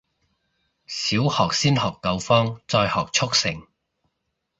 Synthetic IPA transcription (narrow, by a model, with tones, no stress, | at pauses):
siː˨˥whɔː˨k̚siː˥nɦɔː˨˩kːɐ˧wfɔː˥ŋt͡sɔː˧jhɔː˨˩k̚t͡ʃʰʊ˥k̚sɪ˨˩ŋ